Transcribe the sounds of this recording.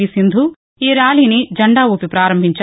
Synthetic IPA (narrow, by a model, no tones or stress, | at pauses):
isind̪ʱu | iːɾaːliːnid͡ʒɐɳɖaːʋupipɾaːɾɐmbʱiɲt͡ʃɐ